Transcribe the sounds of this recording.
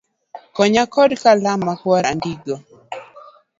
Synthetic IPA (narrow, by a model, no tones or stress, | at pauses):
kɔɲakɔdkalamakwaɾa̰ndiɡɔ